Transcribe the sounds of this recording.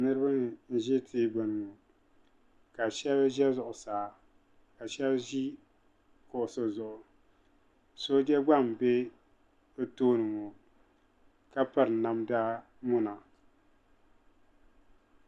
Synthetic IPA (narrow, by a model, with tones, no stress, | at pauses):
nɨ˦ɾɨ˦ba˦n̩˦ʒɪ˦tʰi˦ba˨nɨ˨ŋo˨ | ka˨ʃɛ˦bʒɛ˦zʊ˨ʔʊ˨saː˨˦ | ka˨ʃɛ˦lʒi˦ | kʊ˨ʔʊ˨so˦zʊ˨ʔʊ˨ | so˦d͡ʒɛ˦ɡ͡ba˦˨m˨be˦ | o˦toː˦nɨ˨ŋo˨ | ka˦pa˦ɾɨ˨na˦mdaː˦ | mʊ˦na˨